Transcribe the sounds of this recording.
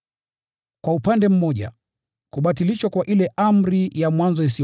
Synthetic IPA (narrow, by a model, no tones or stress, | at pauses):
kwaupandɛm̩mɔʄa̰ | kuɓatiliʃwakwaʔilɛʔam̩ɾijamwanzɔis̬i